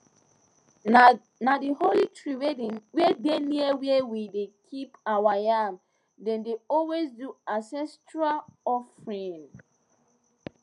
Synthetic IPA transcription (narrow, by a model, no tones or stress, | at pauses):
nadiholitʰɹiwwedeniəwewidekʰipawajam | dɛ̃ndeɔlwezduasɛ̃stɹalɔfɹĩn